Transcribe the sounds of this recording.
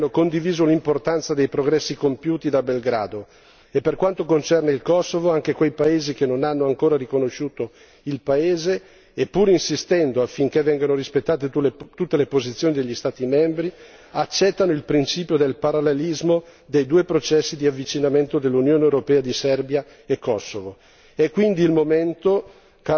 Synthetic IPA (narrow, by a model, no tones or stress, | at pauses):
nːokond̪iviːzolimport̪ant̪sad̪ejpɾoɡɾɛsːikompjuːt̪id̪abelɡɾa̰ːd̪o | epːerkwant̪okont͡ʃɛrneilkɔsːovoaŋkekwejpaeːzik̟enonanːoaŋkoːɾarikonoʃuːt̪o | ilpaeːzeː | pːuːɾinsist̪ɛnd̪oafːiŋk̟evːɛŋɡanoɾispet̪ːaːt̪et̪ut̪ːelepozit̪sjoːnid̪eʎːist̪aːt̪imɛmbɾi | at͡ʃːɛt̪ːanoilpɾint͡ʃiːpjod̪elpaɾalːelizmod̪ejd̪uːepɾot͡ʃɛsːid̪iavːit͡ʃinament̪od̪elːunjoːneewɾopɛːad̪isɛrbja | ekːɔsːovo | ɛkːwind̪iːlmoment̪o | ka